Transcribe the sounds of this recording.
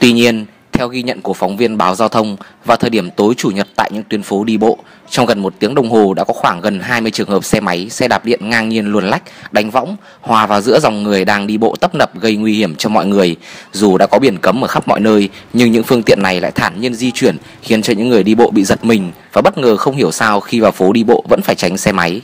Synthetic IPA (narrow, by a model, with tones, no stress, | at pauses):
t̪wi˧ɲi˧ən | t̪ʰɛ˧wɣi˧ɲə̰˧˨nku˧˩əfa˨˦wŋ͡mvi˧ənɓaː˨˦wzaː˧wt̪ʰə˧wŋ͡mvaː˨˩t̪ʰəː˨˩jɗi˧˩əmt̪o˨˦jt͡ɕu˧˩ɲə˨˩t̚t̪a̰ː˧˨jɲɨ̰˧˥ŋt̪wi˨˧˩ənfo˨˦ɗi˧ɓo̰˧˨ | t͡ɕɔ˧wŋ͡mɣə˨˩nmo˨˩t̚t̪i˨˦əŋɗə˧wŋ͡mɦo˨˩ɗa̰ː˧˥kɔ˨˦xwaː˧˩ŋɣə˨˩nɦaː˧jmɨ˧jt͡ɕɨ˨˩əŋhəː˨˩p̚sɛ˧ma˨˦jsɛ̰˧˥ɗaː˨˩p̚ɗḭ˧˨ənŋaː˧ŋŋi˧ənlu˨˩nla˦˥jk̚ɗa˨˦ŋ̟va̰˧˥wŋ͡m | hwaː˨˩vaː˨˩wzɨ̰˧˥əza˨˩wŋ͡mŋɨ˨˩əjɗaː˧ŋɗi˧ɓo̰˧˨t̪ə˦˥p̚nə˨˩p̚ɣə˧jŋwi˧hi˧˩əmt͡ɕɔ˧mɔ̰˧˨jŋɨ˨˩əjzu˨˩ɗa̰ː˧˥kɔ˨˦ɓi˧˩ənkə˨˦mʔəː˧˩xa˦˥p̚mɔ̰˧˨jnəː˧jɲɨ˧ŋɲɨ̰˧˥ŋfɨ˧əŋt̪ḭ˧˨ənːa˨˩jla̰ː˧˨jt̪ʰaː˧˩ɲi˧ənzi˧t͡ɕwi˧˩ən | xi˨˦ənt͡ɕɔ˧ɲɨ̰˧˥ŋːɨ˨˩əjɗi˧ɓo̰˧˨ɓḭ˧˨zə˨˩t̚mï˨˩ŋ̟vaː˨˩ɓə˦˥t̚ŋəː˨˩xə˧wŋ͡mhi˧˩əwsaː˧wxi˧vaː˨˩wfo˨˦ɗi˧ɓo̰˧˨və̰˧˥nfaː˧˩jt͡ɕa˨˦jŋ̟sɛ˧ma˨˦j